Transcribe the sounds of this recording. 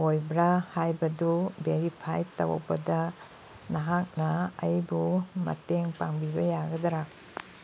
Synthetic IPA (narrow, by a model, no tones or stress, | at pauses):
ojbɾahajbɐdubeɾipʰajtɐ̰wbɐ̰dɐ | naɦak̚nɐːjbumɐ̰teŋpaŋbibɐjaɡɐdɾa